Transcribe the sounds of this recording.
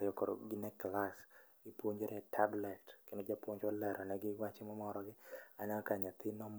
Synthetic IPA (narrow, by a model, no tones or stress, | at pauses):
ɾɪjɔkɔɾo̰ɡɪnɛklas | ipwoɲd͡ʒeɾɛtʰablɛtkenod͡ʒapwoɲd͡ʒɔlɛɾʔɔnɛɡɪwat͡ʃemɔmɔɾɔɡɪanɛɔkaɲat̪ɪnɔm